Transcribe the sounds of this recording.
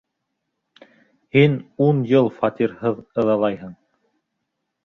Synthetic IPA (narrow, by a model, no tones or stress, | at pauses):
hinunjɤlˠfɑt̪iɾhɤðɤ̆ðɑlˠɑjɦɤɴ